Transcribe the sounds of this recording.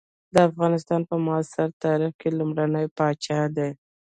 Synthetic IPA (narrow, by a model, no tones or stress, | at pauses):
d̪əafɣɑnɪst̪ɑnpəmʊsɪɾt̪ɑɾɪxkelumɽanəjpɑt͡ʃɑd̪e